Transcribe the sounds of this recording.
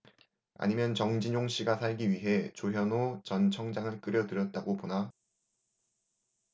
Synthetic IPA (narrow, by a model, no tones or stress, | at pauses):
a̰ɲimjʌnt͡ɕʌŋd͡ʑiɲoŋɕ͈ʰiɡasʰaɭɡiɥiɦe̞t͡ɕoɦjʌnot͡ɕʌnt͡ɕʰʌŋd͡ʑaŋɯɭk͈ɯɾjʌtɯɾjʌt̚t͈aɡopona